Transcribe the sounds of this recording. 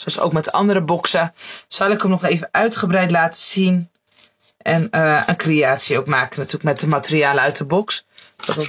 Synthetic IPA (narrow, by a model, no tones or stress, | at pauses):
sɑso̰wkmɛtɑ̰ndəɾəbɔksəsɑlˠɪkəmnɔxeːvəœɥtχəbrɛjtlaːtə̥sin | ɛnəənkreaːtsjəowkmaːkənatʰyːləkmɛt̚əmatəriaːləœɥtəbɔksɔt